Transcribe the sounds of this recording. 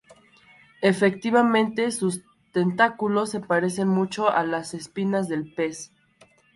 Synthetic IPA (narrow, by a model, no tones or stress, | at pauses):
e̞fe̞k̚t̪iβamẽ̞nt̪e̞sus | t̪e̞nt̪akulo̞sːe̞paɾe̞se̞nmut͡ʃo̞ʔalase̞spinazðe̞lpe̞s